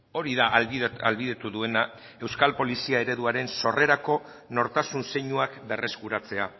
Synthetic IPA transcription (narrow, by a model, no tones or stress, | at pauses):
o̞ɾiðaa̰lβiðet̪uðue̞na | e̞wskalpo̞lisiae̞ɾe̞ðuaɾe̞nso̞re̞ɾako̞ | no̞ɾt̪asunse̞ɲuakbe̞rʔe̞skuɾat͡se̞a